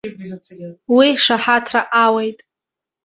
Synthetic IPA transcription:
wiʂaħatʰraʔawejtʼ

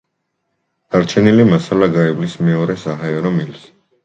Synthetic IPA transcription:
d̪̥aɾt͡ʃʰɛnilimasalaɡaɛblismɛɔɾɛsaɦaɛɾɔmils

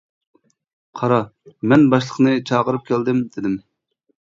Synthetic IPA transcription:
qʰɑɾɑmɛnbɑʃlˠəχnɨt͡ʃʰɑːʁəɾɨp̚kʲʰæld̪ɪmd̪ɪd̪ɪm

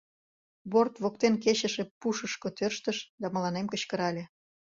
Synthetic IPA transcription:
bort̪βok̚t̪enkeɕə̆ʃepuʃəʃkot̪ørʃt̪əʃd̪ɑməlɑnemkəɕkə̆ɾɑlʲe

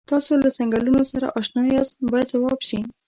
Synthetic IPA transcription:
t̪ɑsolasaŋɡalunosaɾa̰ʔɑʃnɑjɑzbɑjad̪zawɑbʃi

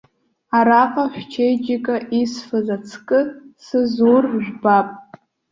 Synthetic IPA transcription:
aɾaqʼaħᶣʷt͡ʃʰejd͡ʒɪkʼaʔisfɨzat͡sʰkʼɨsɨzurʒʷᶣbapʼ

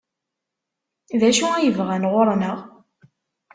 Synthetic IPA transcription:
ðæʃuæjəvʁænʁoɾˤnəʁ

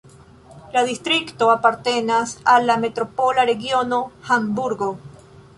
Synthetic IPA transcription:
laðist̪ɾikt̪oapaɾt̪enasalamet̪ɾopolaɾeɣjonoxambuɾɣo

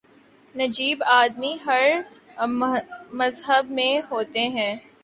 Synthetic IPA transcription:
nɐd͡ʒiːbaːd̪miɦɐɾ | mɐzɦəbmẽɦoːt̪eɦɛ̃ː

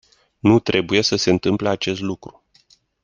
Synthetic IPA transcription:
nut̪ɾe̞buje̞səse̞ɨnt̪ɨmpleat͡ʃe̞st̪lukɾu̥

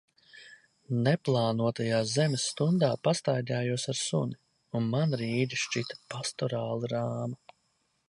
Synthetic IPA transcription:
neplˠaːnuɔt̪ajaːzɛmɛsːt̪und̪aːpast̪ajd̪ʲaːjuɔsaɾsṵni | unmanɾiːd̪iʃt͡ʃit̪ḁpast̪ɔɾaːlˠiɾaːma

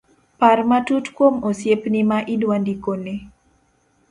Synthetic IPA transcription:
parmatutkwomosjepnimaʔidwandikone

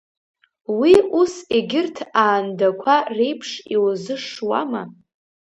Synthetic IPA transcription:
wiuseɡʲɪrtʰaːndakʷʰare̞jpʰʂiwzɨʂwa̰ma

